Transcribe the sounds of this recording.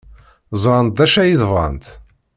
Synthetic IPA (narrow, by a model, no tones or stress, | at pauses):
zˤɾˤɑnt̪̚d̪æʃæjiðvɑ̰nt̪